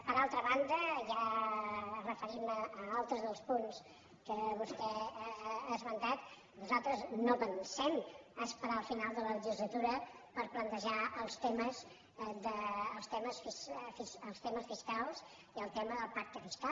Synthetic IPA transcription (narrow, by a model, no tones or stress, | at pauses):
pəɾalˠt̪ɾəβand̪əʒa | rəfəɾiməəalˠt̪ɾəzðəlˠspuns | kəβust̪ɛ | əzβənt̪at̪ | nuzalˠt̪ɾəznoβənsɛməspəɾaəlˠfinalˠd̪ələləʒizlət̪uɾəpəɾplənt̪əʒaʔəlˠst̪eməz | d̪əːlˠst̪ɛməsfisfisəlˠst̪ɛməsfiskalˠz | iəlˠt̪ɛməðəlˠpak̚t̪əfiskal